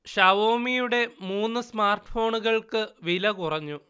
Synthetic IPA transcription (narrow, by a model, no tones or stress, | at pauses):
ɕɐʋoːmijuɽe̞muːnːɨsmaːrʈɨ̥fo̞ːɳuɣɐɭkɨʋilɐkurɐɲːu